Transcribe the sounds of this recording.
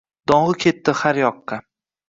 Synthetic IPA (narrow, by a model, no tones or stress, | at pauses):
d̪̥ɒɴʁɨkʲʰe̞t̪ːɪhaɾjɒqːɑ